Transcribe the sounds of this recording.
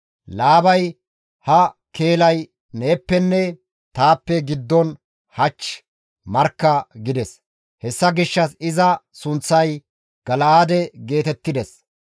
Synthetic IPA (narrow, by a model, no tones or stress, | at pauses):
laːbɐj | hɐkeːlɐj | neːpːɛnːɛ | t̪aːpːɛɡɪd̪ːɔn | hɐt͡ʃː | mɐɾkːɐɡɪd̪ɛs | hɛsːɐɡɪʃːɐsɪzɐsʊnt͡sːɐj | ɡ̥ɐlɐaːd̪ɛɡe̞ːt̪ɛt̪ːɪd̪ɛs